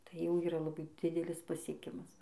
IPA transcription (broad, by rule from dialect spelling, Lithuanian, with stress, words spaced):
ˈtɐɪ jɛʊ ˈiːrɐ lˠɐˈbɐɪ ˈdʲɪdʲɛlʲɪs pɐsʲiɛˈkʲɪmɐs